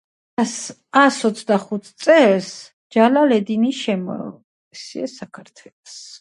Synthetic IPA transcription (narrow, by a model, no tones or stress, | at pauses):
asɔt̪sʰd̪aχut̪ʰt̪sʼɛls | d͡ʒalalɛd̪iniʃɛmɔ̰ | siasakʰaɾt̪ʰwɛlɔs